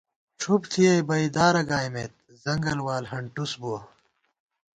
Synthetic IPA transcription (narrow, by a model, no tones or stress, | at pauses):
t͡ʃʰupt̪ʰiɐjbɐid̪aːɾɐɡaːjmet̪̚ | zɐŋɡɐlwaːlɦɐɳʈusbuɐ